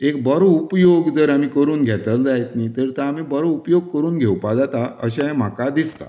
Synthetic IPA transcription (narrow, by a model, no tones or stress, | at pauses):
ekbəɾoupjoɡd͡zəɾamiːkəɾuːnɡʱɛt̪əld͡zait̪nit̪əɾt̪aam̤iːbəɾoupjoɡ̚kəɾuːnɡʱewpad͡zat̪aəɕaem̤akad̪ist̪a̰